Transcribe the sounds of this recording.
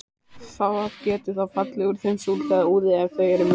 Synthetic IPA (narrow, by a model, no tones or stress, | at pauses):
θawaðcɛːt̪ɪθawfat̪lɛɣʏɾθejmsuːlθɛðauːðɪɛvθœːjɛɾʏm